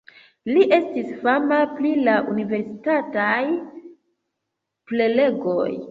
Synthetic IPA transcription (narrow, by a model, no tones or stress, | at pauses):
liʔe̞stisfamaplilaʔunive̞ɾsitataj | plele̞ɡo̞̰j